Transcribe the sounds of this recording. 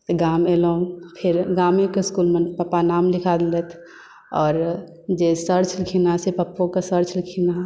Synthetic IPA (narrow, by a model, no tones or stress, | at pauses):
t̪eɡaːmeloũpʰɪɾɡaːmekeskulmenpəpanaːmlikʰad̪let̪ʰ | ɔːɾ | d͡ʒesəɾt͡ʃʰlikʰinasepəpːõkasəɾt͡ʃʰlikʰina